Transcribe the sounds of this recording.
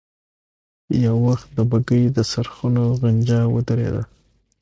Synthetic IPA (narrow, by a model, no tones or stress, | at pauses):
jawwaxt̪̚d̪əbaɡəjd̪əsaɾxunoɣand͡ʒɑwə̰d̪əɾḛd̪a̰